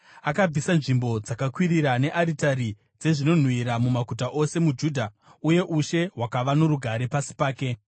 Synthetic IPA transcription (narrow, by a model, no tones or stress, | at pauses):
akab͡visanʐimbo̞d͡zakakwiriɾaneʔaɾitaɾi | d͡ze̞ʐino̞n̤wiɾamumakutaʔo̞se̞mud͡ʒuːdʱa | uje̞ʔuʃe̞ɦwakaʋano̞ɾuɡʱaɾe̞pasi̥paːke̞